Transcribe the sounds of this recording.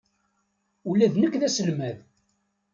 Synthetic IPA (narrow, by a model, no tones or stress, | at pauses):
ulæðnəkːðæsəlmæð